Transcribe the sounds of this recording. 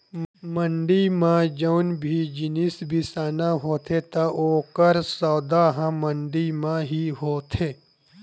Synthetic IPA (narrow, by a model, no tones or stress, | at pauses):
mə̃ɳɖimãd͡ʒownbʱid͡ʒɪnisbʱisaːnaɦoːt̪ʰet̪aʔoːkəɾsaːd̪aɦãmɐɳɖimãɦiɦoːt̪ʰeː